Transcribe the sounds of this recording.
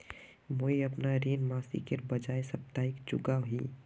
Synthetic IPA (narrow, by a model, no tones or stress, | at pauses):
moiəpnaɾiːnmaːsḭkeɾbəd͡ʒaːesəp̚t̪aːikd͡ʒʊ̰ɡaɦi